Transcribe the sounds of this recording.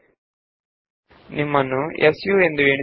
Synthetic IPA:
nimːɐnuʔesjuːe̞nd̪ueːɳi

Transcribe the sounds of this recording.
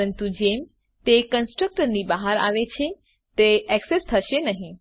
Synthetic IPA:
ənt̪ud͡ʑem | t̪ekə̃nsʈɾək̚ʈəɾnibaɦaɾa̰ʋet͡ʃʰe | t̪eɛksest̪ʰəʃenəɦĩ

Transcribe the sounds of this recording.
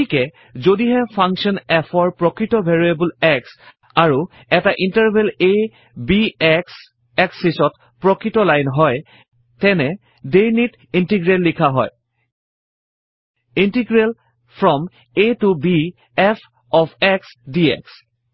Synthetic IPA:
ikɛ | zodiɦɛpʰaŋkʃɔnɛfʰɔɹpɹɔkɹitɔbʱɛɹijebulɛks | aɹu | ɛtaʔintaɹbʱele | biɛks | ɛksisɔt | pɹɔkɹitɔlajnɦɔj | tɛnɛ | dejnit | intiɡɹelːikʰaɦɔj | intiɡɹel | pʰɹɔm | etubi | ɛpʰ | ɔpʰɛksdiɛ̰ks

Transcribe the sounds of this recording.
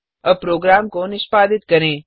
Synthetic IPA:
əpɾoːɡɾaːmkonɪʃpaːd̪ɪt̪kəɾẽː

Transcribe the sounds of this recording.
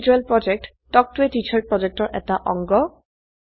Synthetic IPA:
d͡ʒuɛlpɹɔd͡ʒek̚t | tɔk̚tuetit͡ʃʰaɹ̚pɹɔd͡ʒek̚tɔɹʔɛ̰taʔɔ̰ŋɡɔ

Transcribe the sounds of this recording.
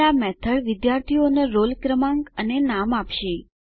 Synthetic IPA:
amɛt̪ʰəɭʋɪd̪jaɾt̪ʰioneɾolkɾəmãŋɡənenamapʃe

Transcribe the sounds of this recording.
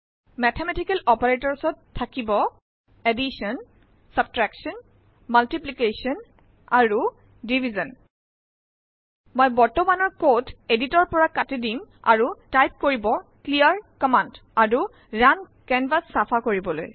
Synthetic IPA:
mɛtʰɛmɛtikɛlɔpaɹetɔɹsɔtʰːakibɔ | edisɔn | sab̚tɹaksɔn | maltiplikesiɔn | aɹu | dibʱizɔn | mojbɔɹtɔmanɔɹkoteditɔɹpɔɹakatidima̰ɹutajp̚koɹibɔklijaɹkɔmandaɹu | ɹan | kɛnvasːapʰakoɹibɔlo̰j

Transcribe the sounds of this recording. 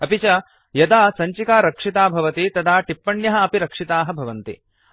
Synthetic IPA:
ɐpit͡ʃɐ | jɐd̪aːsɐɲt͡ʃikaːɾɐkʂit̪aːbʱɐʋɐt̪it̪ɐd̪ʱaːʈipːɐɳjɐɦɐ̆ɐpiɾɐkʂit̪aːɦɐ̆bʱɐʋɐnt̪ḭ

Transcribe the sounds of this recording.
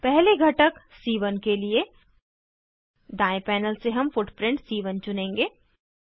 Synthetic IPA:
pɛɦleɡʱɐʈək | siːʋənkelie | ɖaːẽpɛːnəlseɦɐmfʊʈpɾɪ̃ɳʈsiːʋənt͡ʃʊnẽːŋɡeː

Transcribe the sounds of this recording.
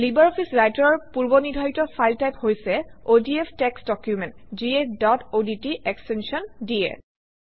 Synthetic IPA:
libaɹɔpʰisɹajtɔɹɔɹpuɹbɔnidʱɔjtɔpʰajltajphojsɛodiepʰtɛksdɔkjumɛntd͡ʒiedɔtoditiʔɛkstensɔndiɛ̰

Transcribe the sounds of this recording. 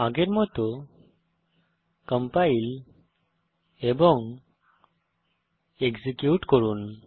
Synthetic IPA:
aɡeɾmɔt̪ɔ | kəmpail | ebɔŋ | eɡzikjuʈkɔɾun

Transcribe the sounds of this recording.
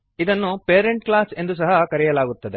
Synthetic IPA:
id̪ɐnːupeːɾe̞ɳʈklaːse̞nd̪us̬ɐɦɐkɐɾɛjɐlaːɡut̪ːɐd̪e̞

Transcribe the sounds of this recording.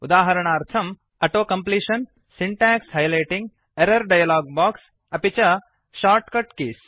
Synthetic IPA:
ʊd̪aːɦɐɾɐɳ̃aːɾt̪ʰɐm | ɐʈoːkɐmpliːʃɐn | siɳʈaːksɦɐjlɐjʈĩŋɡ | eɾɐɾɖɐjɐlaːɡ̚baːks | ɐpit͡ʃɐ | ʃaːɾʈkɐʈkiːs

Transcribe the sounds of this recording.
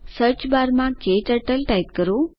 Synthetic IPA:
səɾt͡ʃbaɾmãkeʈəʈəlʈajt̪kəɾo

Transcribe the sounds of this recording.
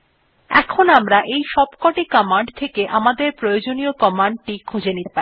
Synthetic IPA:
ɛ̰kʰonamɾaʔejʃɔbkɔʈikɔmaɳɖt̪ʰekeʔamad̪eɾpɾojod͡ʑoniokɔmaɳɖ̚ʈikʰud͡ʑʱenit̪epaɾi

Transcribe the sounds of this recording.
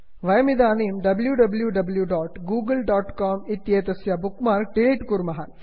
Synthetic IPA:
ʋɐjɐmid̪aːniːmɖɐbljuɖɐbljuɖɐbljuɖaːʈɡuːɡɐlɖaːʈkaːmit̪jeːt̪ɐsjɐbukmaːɾk̚ɖiliʈkuɾmɐɦɐ

